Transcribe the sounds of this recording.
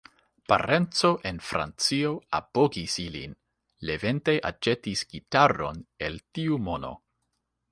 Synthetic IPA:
pa̰ɾʔe̞nt͡so̞ʔe̞nfɾʔa̰nt͡sio̞apo̞ɡisilḭn | le̞ve̞nteʔa̰t͡ʃe̞tisɡ̥itaɾo̞̰ne̞ltiumo̞no̞̰

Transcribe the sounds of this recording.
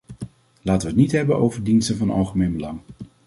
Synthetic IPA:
laːtəʋətnitɦɛbənʔowvəɹdinstənvɑnɑ̰lˠχəmejnbəlɑŋ

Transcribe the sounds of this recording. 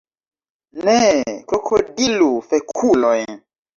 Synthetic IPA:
nɛkokʰodilufekʰulojn

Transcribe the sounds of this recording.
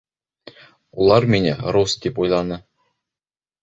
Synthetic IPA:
ulˠɑɾminɘɾost̪̚d̪ipujlˠɑnɤ

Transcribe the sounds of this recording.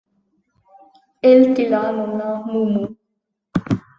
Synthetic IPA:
elt̪ilanonamumu

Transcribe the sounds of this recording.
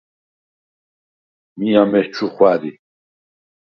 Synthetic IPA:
miamɛht͡ʃʰuχwaɾi

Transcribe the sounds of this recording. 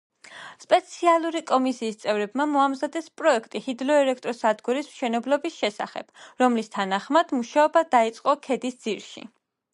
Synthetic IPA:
spʼɛt̪sʰialˠuɾikʼɔmisiːst̪sʼɛvɾɛb̚mamɔamzad̪ɛspʼɾɔɛkʰt̪ʼihid̪lɔɛlɛk̚ʰt̪ʼɾɔsad̪ɡuɾismʃɛnɛblɔbisʃɛsa̰χɛ̰b̥ɾɔmlist̪ʰanaχmad̪̥muʃaɔbad̪ait̪sʼqʼɔkʰɛd̪isd̪z̥iɾʃḭ

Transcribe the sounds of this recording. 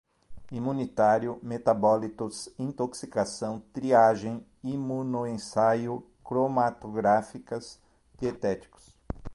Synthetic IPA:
imũnit̪aɾjʊmet̪abɔlit̪ʊsĩnt̪oksikasɐ̃w̃t̪ɾiaʒẽj̃ | imunoẽsajʊ | kɾomat̪oɡɾafikɐz | d͡ʒiet̪ɛt͡ʃ̪i̥kʊ̥s

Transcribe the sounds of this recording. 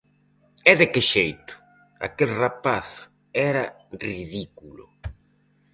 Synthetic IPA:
ɛðɪkɪʃejt̪ʊ̥ | a̰kelrapaθ | ɛɾɐ | riðikulʊ̰

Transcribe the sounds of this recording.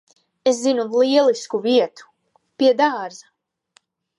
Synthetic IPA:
eszinulˠiɛlˠiskuviɛt̪u̥ | piɛd̪aːɾza

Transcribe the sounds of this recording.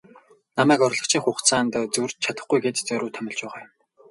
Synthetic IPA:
namæːkɔrɮɞ̆χt͡ɕʰiːŋχʊːχt̪t͡sʰaːnt̪t͡surt͡ɕt͡ɕʰat̪ə̆χɡujɡeːt̪t͡sœɾʊːt̪ʰœmʲɪ̆ɮt͡ɕpæːʁaːjʊm

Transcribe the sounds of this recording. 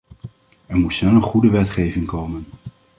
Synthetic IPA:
ɛɹmutsnɛlˠənχudəʋɛtχejvɪŋkowmən

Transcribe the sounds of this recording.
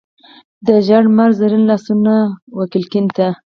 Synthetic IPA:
d̪əʒaɽmaɾzaɾinlɑsunawakilkɪnt̪a

